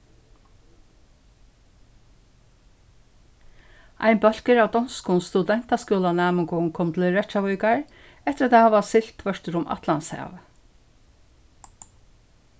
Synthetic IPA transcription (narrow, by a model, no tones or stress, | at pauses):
a̰jnbœl̥kəɾawd̪ɔnskʊnst̪ud̪ɛn̥t̪askɔːlanaːməŋkʊŋkʰɔmt̪ʰɪlɹɛt͡ʃaʋɔjkaɹ | ɛt̪ɪɾat̪ːahaʋvasɪl̥t̪ʰvœʂt̪ɪɾʊmʔa̰t̪lansha̰ːv